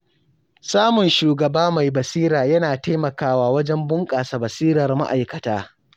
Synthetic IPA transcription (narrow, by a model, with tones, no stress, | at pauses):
saː˦mʊ˨nʃuː˨ɡɐ˨baː˦ma˨jbɐ˨siː˦ɾaː˨jɐ˦naː˨ta˦mɐ˨kaː˦waː˦wɐ˦d͡ʒɛ˦mbʊ˦ŋkʼaː˨sa˨bɐ˨siː˦ɾɐ˨rma̰˦ʔa˨jkɐ˨taː˦